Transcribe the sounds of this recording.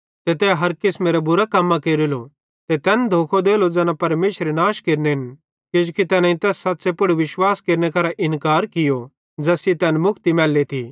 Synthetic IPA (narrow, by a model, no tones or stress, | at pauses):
t̪et̪ɛːɦɐɾkɪsmẽːɾɛbʊɾakɐmːãkeːɾilo | t̪ɛt̪ɛːnd̪ʱoːkʰod̪eːlod͡zɛːnãpɐɾmeːʃɾenaːʃkeːɾneɦɪn | kɪd͡ʒukit̪ɛːnãĩt̪ɛːsːɐtːsepʊɽʋɪʃwaːskeːɾnekɐɾaʔɪnkaːɾkɪjo | d͡ʒɐsit̪ɛːnmʊkʰt̪imɛːlːet̪ʰi